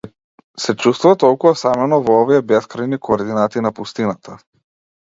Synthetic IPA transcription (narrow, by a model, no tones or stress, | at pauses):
sɛt͡ʃust̪vuvat̪ɔlˠkuvasamɛnɔvɔɔviɛbɛskɾajnikoːɾd̪inat̪inapust̪inat̪ʰa